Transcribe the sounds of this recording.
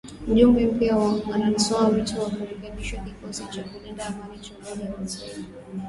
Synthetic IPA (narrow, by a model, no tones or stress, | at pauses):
uʄumbɛm̩piawananisɔmawituwakuɾɛkɛɓiʃwakikɔsit͡ʃakunɛndaamaɾit͡ʃɔmɔʄawati